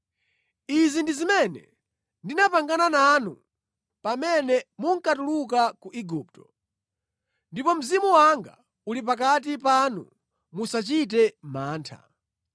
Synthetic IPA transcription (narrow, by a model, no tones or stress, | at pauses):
izindizimɛnɛ̰ | ndinapaŋɡanananṵ | pamɛnɛmuŋkatuluk̬akuʔiɡuːp̚tɔ̥ | ndipɔm̩zimuwaŋɡa̰ | ulip̬ak̬at̬ipanṵ | musat͡ʃit̬ɛmaːntʰa̰